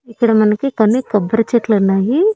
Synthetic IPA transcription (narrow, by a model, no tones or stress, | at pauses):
ikːɐɽɐmɐnɐkikɐnːikɐbɐɾɐt͡ʃeʈlɐnaːji